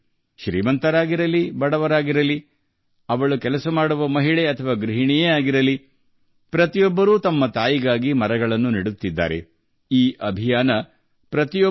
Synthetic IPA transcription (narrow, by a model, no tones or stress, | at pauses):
ʃɾḭːmɐnt̪ɐɾaːɡiɾɐlibɐɽɐʋɐɾaːɡiɾɐli | ɐʋɐɭukɛlɐsɐmaːɽuʋɐmɐɦiɭeɐt̪ʰɐʋaːɡɾiɦiɳijeaːɡiɾɐli | pɾɐt̪ijɔbːɐɾuːt̪ɐmːɐt̪aːjiɡaːɡimɐɾɐɡɐɭɐnːuniɽut̪ːid̪ːa̰ːɾe̞̰ | iːʔɐbʱijaːnɐ | pɾɐt̪ijɔ